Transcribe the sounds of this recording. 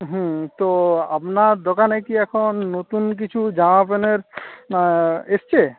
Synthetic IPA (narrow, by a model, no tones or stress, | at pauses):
ɦũt̪oa̰pnaɾd̪okanekiɛkʰonːot̪unk̬it͡ɕʰud͡ʑãapeneɾ | est͡ɕʰe